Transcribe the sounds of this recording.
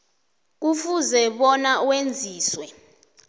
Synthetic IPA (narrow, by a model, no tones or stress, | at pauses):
k̬ufuzɛɓɔnauwend͡zʱiːswɛ